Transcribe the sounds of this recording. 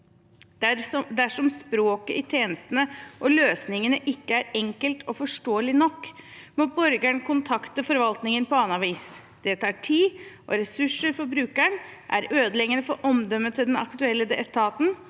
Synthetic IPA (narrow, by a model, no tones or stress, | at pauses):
d̪æʂɔmspɾoːkəʔɪt̪ʰjeːnəst̪ənəʔɔløːsnɪŋənəʔɪkːəæɾɛŋkəlt̪ʰɔfɔʂʈoːəlɪnɔkːmɔbɔɾɡæɳkʰʊnt̪ʰɑkt̪əfɔɾʋɑlt̪nɪŋənpɔɑːnɑʋiːs | d̪̥ɛt̪ʰɑːʈʰiːʔɔɾɛsʉʂəɾfɔɾbɾʉːkæɳʔæ̰ɾøːd̪əlɛɡənəfɔʔɔmd̪œmːət̪ʰːɪld̪ɛnɑ̰kt̪ʉɛlːəd̪ɛət̪ʰɑːt̪n̩